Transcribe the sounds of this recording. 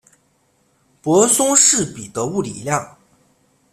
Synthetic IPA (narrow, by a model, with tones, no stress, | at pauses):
pwɔ˧˥sʊ˥ŋʂɻ̩˥˩pi˨˩t̪ɤ˧˥pu˥˩lḭ˨˩˦ljɑ˥˩ŋ